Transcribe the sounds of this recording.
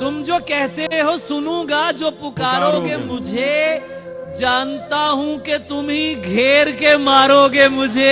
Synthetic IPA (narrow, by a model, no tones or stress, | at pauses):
t̪ʊmd͡ʒoːkɛɦt̪eɦosʊnũɡad͡ʒoːpʊkaːɾoɡemʊd͡ʒʱe | d͡ʒaːnt̪aɦũket̪ʊmɦiɡʱeːɾkemaːɾoːɡemʊd͡ʒʱe